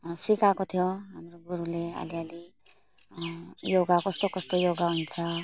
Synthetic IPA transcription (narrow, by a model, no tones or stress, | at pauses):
sikakot̪ʰijoɦamroɡuɾulea̰liali | joɡakʌst̪okʌst̪ojoɡaɦunt͡sʰʌ